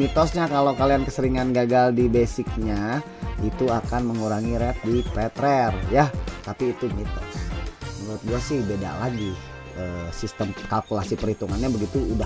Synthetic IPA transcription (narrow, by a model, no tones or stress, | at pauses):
mit̪ɔsɲakalokaliankəsəɾiŋanɡaɡaldibesɪk̚ɲa | it̪uakanməŋuɾaŋiɾɛt̪̚dipɛt̪ɾɛrjat̪apiːt̪umit̪ɔ̰səŋuɾʊt̪̚biasɪhbeda̰ʔlaɡi | əːsist̪əmkalkulasipəɾhit̪uŋanɲabəɡit̪uːda